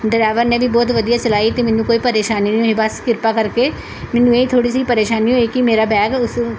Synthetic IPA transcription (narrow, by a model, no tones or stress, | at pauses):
ɖəɾɛːʋəɾnẽːbʱibɔːt̪ʋəd̪ijaːt͡ʃəlaːit̪emɛ̃nũːkoːiːpəɾeːʃaːninĩõɦeːbəskɪɾpaːkəɾkeː | mɛnũːeit̪ʰoːɽis̬iːpəɾeːʃaːniõeːkimeːɾaːbɛːɡʊs